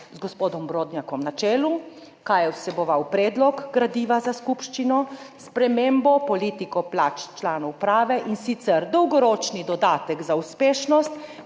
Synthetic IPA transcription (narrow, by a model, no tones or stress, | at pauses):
zɡɔspoːd̪ɔmbɾoːd̪njakɔmnat͡ʃɛːlu | kajɛwsɛbɔʋawpɾɛːd̪lɔkɡɾad̪iːʋazaskupʃt͡ʃinɔspɾɛmembɔpɔliːt̪ikɔplaːt͡ʃt͡ʃlaːnɔwpɾaːʋɛʔinsit̪sɛɾd̪ɔwɡɔɾoːt͡ʃnid̪ɔd̪aːt̪ɛkzauspeːʃnɔst̪